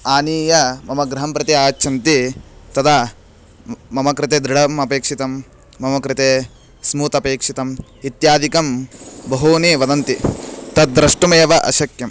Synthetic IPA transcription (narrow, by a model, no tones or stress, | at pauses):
aːniːjɐmɐmɐɡɾɐɦɐmpɾɐt̪iaːt͡ʃːt͡ʃʰɐnt̪it̪ɐt̪ɐ | mɐmɐkɾɪt̪eːd̪ɾɪɽɐmɐpeːkʂit̪ɐmː | ɐmɐkɾɪt̪eː | smuːt̪ɐpeːkʂit̪ɐm | it̪jaːd̪ikɐmbɐɦuːniʋɐd̪ɐnt̪it̪ɐt̪̚d̪ɾɐʂʈumeːʋɐʔɐ̰ʃɐkjɐm